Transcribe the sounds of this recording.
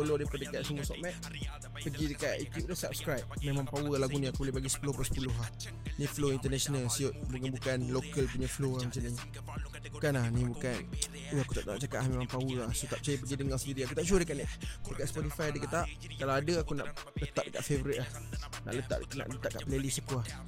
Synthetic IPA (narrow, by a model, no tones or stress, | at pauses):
olodepadəkaʔsəmũəsɔ̰ʔmɛʔ̪̚ | pəɡidəkaʔjut̪jup̚t̪ʊhsap̚skɾajp̚mẽmãŋpawəlaɡunĩakubəlebaɡisə̥pulʊhpsə̥pulʊɦah | nĩfloint̪ənɛsonəlsiʊt̪̚dəŋanbukanlokəlpuɲafloamat͡ʃani | bukanahnĩbukan | uakut̪aʔt̪aŋã̰ʔt͡ʃakat̪ʔ̚lahmemãŋpawəahsot̪aʔp̚t͡ʃajəp̬əɡidəŋasəndiɾiakut̪aʔʃuədəkaʔniʔbəkaʔsə̥pɔt̪ifajdəkət̪aʔ | kalawadəakuna̰ʔlət̪aʔ̚dəka̰ʔfevəɾit̪̚lah | na̰ʔlət̪a̰ʔna̰ʔlət̪aʔka̰ʔpəlelisəkuah